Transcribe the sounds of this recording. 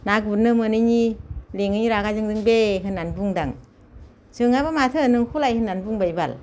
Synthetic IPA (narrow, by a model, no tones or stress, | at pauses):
nakbunɯmɯnɯɲileŋɯɲiɾaɡazɯŋdɯŋbeɦɯnːanbuŋdaŋ | sɯŋabamatʰɯnɯŋkʰulajhɯnːanbuŋbajbal